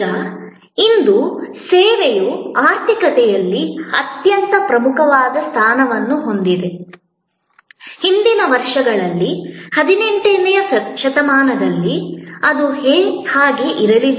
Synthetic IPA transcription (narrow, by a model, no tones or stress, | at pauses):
ɐ | ind̪useːʋejuaːɾt̪ikɐt̪ɛjɐlːiɐt̪jɐnt̪ɐpɾɐmukʰɐʋaːd̪ɐst̪ʰaːnɐʋɐnːuɦo̞nd̪id̪e | hind̪inɐʋɐɾʂɐɡɐɭɐlːihɐd̪ineɳʈenːɛjɐɐʃɐt̪ɐmaːnɐd̪ɐlːiɐd̪uheːhaːɡeʔiɾɐɾiʋ